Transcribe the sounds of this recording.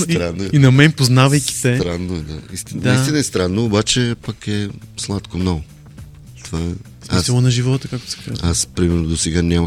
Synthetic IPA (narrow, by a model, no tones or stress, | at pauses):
ɾanːinɐmɛnpoznavɐjkʲi̥sɛt̪ɾanːoɛd̪aist̪ind̪ist̪inɐɛst̪ɾanːoːbat͡ʃɛpəkɛslˠat̪komnɔɡʊ | t̪ovaɛ | smissilˠonɐʒivɔt̪əkak̚t̪o̥sɛ̥ka̰zaspɾimɛɾnod̪osɛɡanʲamə